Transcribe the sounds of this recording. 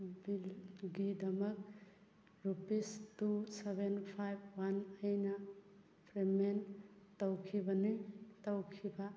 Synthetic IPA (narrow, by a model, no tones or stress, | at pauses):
bilɡidɐmɐk̚ | ɾupistusebʱenpʰajb̚wanɐjnɐ | pʰɾementɐwkʰibɐniŋtɐwkʰibɐ